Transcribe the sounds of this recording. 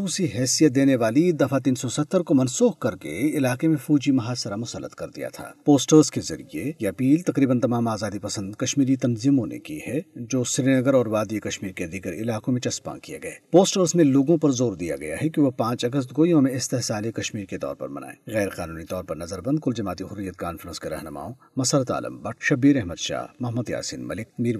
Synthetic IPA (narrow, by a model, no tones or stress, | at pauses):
uːsiɦɛːsijət̪̚d̪eːneʋaːlid̪ɐfat̪̬iːnsɔsɐt̪ːəɾkomɐnsuːhkɐɾkḛɪlaːqemẽfuːd͡ʒimɐɦaːsəɾamʊsəlːə̰t̪kɐɾd̪ḭja̰t̪ʰa̰ːpoːsʈəɾskezɐ̰ɾḭjejɐpiːlt̪ɐqɾiːbənt̪ɐmaːmaːzaːd̪ipɐsə̃nd̪kɐʃmiːɾit̪ɐnziːmõnḛkihɛd͡ʒoːsɪɾinɐɡəɾɔːɾʋaːd̪ikɐʃmiːɾked̪iɡəɾɪ̰laːkõmẽt͡ʃɐspã̰ːkijḛɡɐḛːpoːsʈəɾzmẽloːɡõpɐɾzoːɾd̪ija̰ɡɐja̰ɦɛkiʋopãːt͡ʃɐɡəs̬t̪ɡoːjõmẽɪst̪ɪɦsaːlekɐʃmiːɾket̪ɔ̰ːɾpɐ̰ɾmɐ̰na̰ːḛːɣɛːɾqaːnuːnit̪ɔːɾpɐɾnɐzəɾbɐ̃nd̪̚kʊld͡ʒɐmaːt̪iɦʊrːijət̪kaːnfəɾə̃nskeɾɐ̰ɦnəma̰ːõ | mɐsəɾət̪a̰ːlə̰mbɐʈʰʃɐbiːɾɛɦməd̪ʃa̰ːmɐɦməd̪ja̰ːsḭnmɐlɪk̚miːɾ